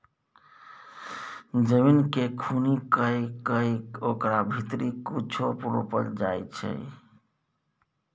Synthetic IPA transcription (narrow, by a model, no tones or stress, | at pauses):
d͡ʒəminkekʰunikəjkəjkokɾabʱit̪ɾikut͡ʃʰopuɾopə̰ld͡ʒajt͡ʃʰə̰